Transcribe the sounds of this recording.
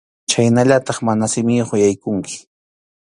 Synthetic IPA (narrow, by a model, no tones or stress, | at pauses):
t͡ʃajnaʎat̪ɑχmanasɪmɪjχojajkʊŋkɪ̥